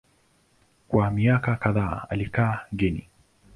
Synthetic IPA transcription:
kwamiakakaðaːa̰likaːɡɛnḭ

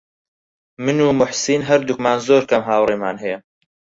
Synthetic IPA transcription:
mɨnuːmʊħsiːnɦɐɾd̪ukmaːnzoːɾkɐmɦaːwreːmaːnɦɛjɛ

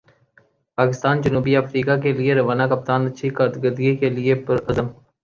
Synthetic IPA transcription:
paːkɪst̪aːnd͡ʒɐnuːbiɐfɾiːkakelieɾɐʋaːnakɐp̚t̪aːnɐtːʃʰikat̪ɡəd̪iekeliepɐɾɐzəm

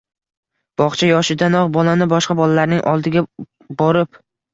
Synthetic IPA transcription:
b̥ɒχt͡ʃʰajɒʃɪd̪anɒʁbɒlanɪbɒʃqɑbɒlalaɾnɪŋʔɒlˠd̪ɪɡʲa | bɒɾɪp

